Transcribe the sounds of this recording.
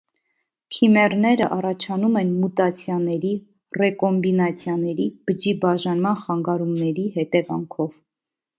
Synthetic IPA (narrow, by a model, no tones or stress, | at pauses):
k̪ʰimɛrnɛɾəʔɑrɑt͡ʃʰɑnumɛnmut̪ɑt͡sʰjɑnɛɾi | rɛkɔmbinɑt͡sʰjɑnɛɾib̥əd͡ʒibɑʒɑnmɑnχɑŋɡɑɾumnɛɾihɛt̪ɛvɑŋkʰɔv̥